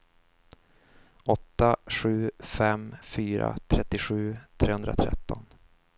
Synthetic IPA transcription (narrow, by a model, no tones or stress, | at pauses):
ɔt̪ːaɧʉ̟ːfɛmfyːɾa̰t̪ʰɾɛt̪ːɪɧʉ̟ːt̪ʰɾeːhɵnd̪ɾa̰t̪ʰɾɛ̰t̪ːɔn